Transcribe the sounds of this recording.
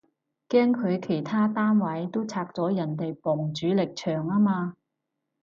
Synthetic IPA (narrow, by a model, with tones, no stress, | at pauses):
kɛː˥ŋkʰɵ˨˧ɥkʰe˨˩jt̪ʰaː˥t̪aː˥nwɐ˨˥jt̪o˥wt͡sʰaː˧k̚t͡sɔː˨˥jɐ˨˩nt̪e˨jpɔ˨˩ŋt͡syː˨˥lɪ˨k̚t͡ʃʰœː˨˩ŋaː˥maː˧